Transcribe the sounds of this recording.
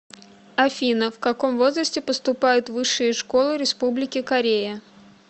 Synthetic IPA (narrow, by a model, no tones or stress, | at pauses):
ɐfʲinəfkɐko̞mvo̞zrəsʲtʲɪpəst̪ʊpajʊt̪vɨʂːɨjɪʂko̞lˠɨɾʲɪspublʲɪkʲɪkɐɾʲejə